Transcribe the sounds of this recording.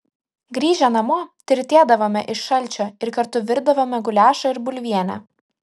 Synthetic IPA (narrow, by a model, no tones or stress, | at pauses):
ɡɾʲiːʒʲɛnɐmoːt̪ʲɪɾʲt̪ʲeːd̪ɐʋoːmʲɛʔɪʃʃɐlʲt͡ʃʲoːɪɾkɐɾt̪ʊʋʲɪɾd̪ɐʋoːmʲɛɡʊlʲæːʃɐɪɾbʊlʲʋʲiɛnʲæ̰